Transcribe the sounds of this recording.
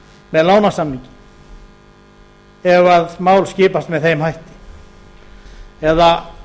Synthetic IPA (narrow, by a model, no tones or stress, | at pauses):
mɛðloːwnasamːiɲcɪ̥ | ɛɣaðmaːwlscɪːpast̪mɛðθejmhajht̪ɪ̥ | ɛða